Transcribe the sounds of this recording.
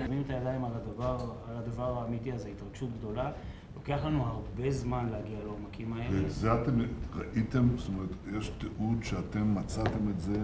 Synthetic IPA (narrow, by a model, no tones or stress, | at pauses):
mimet̪ajadaimaladavaʁalad̪avaʁaːmitiazeitʁaɡ̥ʃutɡd̪o̞la | lo̞ke̞aχlanuhaʁbe̞zmanlehaɡialeomakimae̞lezeat̪emʁaʔit̪e̞mst̪omeʁet̪jeʃt̪eʔudʃeat̪emːat͡sate̞metze